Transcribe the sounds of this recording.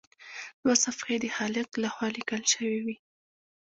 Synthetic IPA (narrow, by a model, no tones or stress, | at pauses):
d̪̥wasafxed̪əxɑlɪqlaxwɑlikəlʃəwiwi